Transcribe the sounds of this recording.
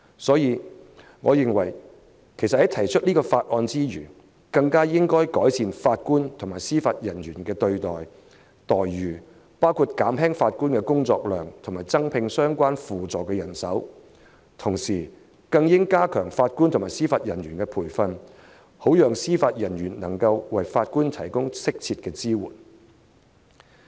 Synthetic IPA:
sɔː˨˥jiː˨˧ | ŋɔː˨˧jɪ˨ŋwɐ˨˩j | kʰe˨˩jsɐ˨thɐ˨˥jt̪ʰɐ˨˩jt͡ʃʰɵ˥t̚liː˥kɔː˧faː˧t̚ʔɔː˧nt͡siː˥jyː˨˩ | kɐ˧ŋkaː˥jɪ˥ŋkɔː˥jkɔː˨˥jsiː˧nfaː˧t̚kuː˥nt̪ʰŋmaː˨˩jsiː˥faː˧t̚jɐ˨˩nɥyː˨˩nkɛː˧t̪ɵ˧ɥt̪ɔː˨˩j | t̪ɔː˨jːyː˨˩ | paː˥wkʰuː˧t̚kaː˨˥mɦɛː˥ŋfaː˧t̚kuː˥nkɛ˧kʊ˥ŋt͡sɔː˧k̚lœː˨˩ŋt̪ʰʊ˨˩ŋmaː˨˩jt͡sɐ˥ŋpʰɪ˧ŋsœː˥ŋkʷaː˥nfuː˨t͡sɔː˨˩kɛ˧jɐ˨˩nsɐ˨˥w | t̪ʰʊ˨˩ŋsiː˨˩ | kɐ˧ŋjɪ˥ŋkaː˥kʰœː˨˩ŋfaː˧t̚ku˥nt̪ʰʊ˨˩ŋmaː˨˩siː˥faː˧t̚jɐ˨˩nɥyː˨˩nkɛ˧pʰuː˨˩jfɐ˧n | ho˨˥wjœː˨ŋsiː˥faː˧t̚jɐ˨˩njyː˨˩nnɐ˨˩ŋkɐ˧wwɐ˨jfaː˧t̚kuː˥nt̪ʰɐ˨˩jkʊ˥ŋsɪ˥k̚t͡sʰiː˧t̚kɛː˧t͡siː˥wṵː˨˩n

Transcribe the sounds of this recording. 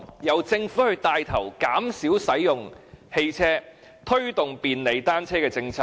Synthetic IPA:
jɐ˨˧wt͡sɪ˧ŋfuː˨˥hɵ˧ɥt̪aː˧jt̪ʰɐ˨˩wkaː˨˥msiː˨˥wsɐ˨˥jjʊ˨ŋhe˧jt͡sʰɛː˥ | t̪ʰɵ˥ɥt̪ʊ˨ŋpiː˨nle˨˧jt̪aː˥nt͡sʰɛː˥kɛː˧t͡sɪ˧ŋt͡sʰaː˧

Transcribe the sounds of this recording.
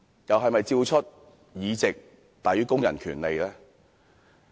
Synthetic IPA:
jɐ˨wɦɐ˨jmɐ˨jt͡siː˧wt͡ʃʰɵ˥t̚ | jiː˨˧t͡sɪ˨k̚ | t̪aː˨jɥyː˨˥kʊ˥ŋjɐ̰˨˩nkʰyː˨˩nle˨jlɛː˥

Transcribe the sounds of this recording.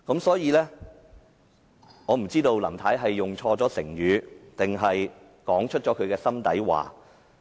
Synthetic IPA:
kɐ˨˥msɔː˨˥jiː˨˧lɛː˥ | ŋɔː˨˧m̩˨˩t͡siː˥t̪o˧wlɐ̰˨˩mt̪ʰaː˨˥jɦɐ˨jːʊ˨ŋt͡ʃʰɔː˧t͡sɔː˨˥sɪ̰˨˩ŋjyː˨˧t̪ɪ˨ŋɦɐ˨j | kɔː˨˥ŋt͡ʃʰɵ˥t̚t͡ʃɔː˨˥kʰɵ˨˧ɥkɛː˧sɐ˥mt̪ɐ̰˨˥jwa̰ː˨

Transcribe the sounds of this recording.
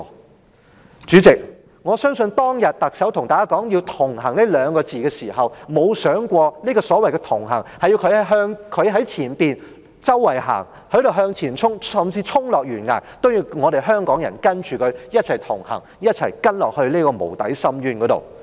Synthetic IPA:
t͡ʃyː˨˥t͡sɪ˨k̚ | ŋɔː˨˧sœː˥ŋsɵ˧nt̪ɔː˥ŋjɐ˨t̚t̪ɐ˨k̚sɐ˨˥wt̪ʰʊ˨˩ŋt̪aː˨˩kːaː˥kɔː˨˥ŋji˧wt̪ʰʊ˨˩ŋɦɐ˨˩ŋne˥lœː˨˧ŋkɔː˧t͡siː˨˧kɛː˧siː˨˩ɦɐ˨˩wmo˨˧wsœː˨˥ŋkʷɔː˧niː˥kɔː˧sɔː˨˥wɐ˨jkɛː˧t̪ʰʊ˨˩ŋɦɐ̰˨˩ŋhɐ˨jːi˧wkʰɵ˧ɥhɐ˨˥ɦœː˧ŋkʰɵ˨˧ɥɦɐ˨˥jt͡sʰiː˨˩npiː˨n | t͡sɐ˥wːɐ˨˩jɦa̰ː˨˩ŋ | hɵ˨˧˥jɾo˨wɦœː˧ŋt͡sʰiː˨˩nt͡sʰʊ˥ŋsɐ˨mt͡siː˧t͡ʃʰʊ˥ŋlɔː˨k̚ɥyː˨˩nŋa̰ː˨˩jt̪o˥wjiː˧wŋɔː˨˧ɾe˨jɦœː˥ŋkɔː˨˥ŋjɐ̰˨˩nkɐ˥nt͡ʃʰyː˨kʰɵ˨˧ɥjɐ˥t̚t͡sʰɐ˨˩jt̪ʰʊ˨˩ŋhɐ̰˨˩ŋ | jɐ˥t̚t͡sʰɐ̰˨˩jkɐ˥nlɔ̰ː˨˩k̚hɵ˧ɥliː˥kɔː˧mo̰˨˩wt̪ɐ̰˨˥jsɐ˥mjyː˥nkɔː˨˥t̪o̰˨w

